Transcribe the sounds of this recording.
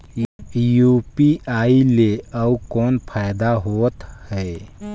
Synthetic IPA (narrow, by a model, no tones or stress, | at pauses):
juːpiaːileɐukɔːnpʰaːjd̪aɦoːt̪hɛː